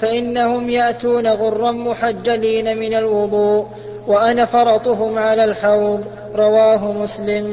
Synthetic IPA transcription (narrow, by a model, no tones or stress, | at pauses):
faʔɪnːahʊmjaʔt̪uːnaɣʊrˤːɑnmʊħad͡ʒːaliːnamɪnalwʊd̪ˤuːʔ | waʔanafɑɾˤɑt̪ˤʊɦʊmʕalaːlħɑwðˤ | ɾˤɑwaːɦʊmʊslɪm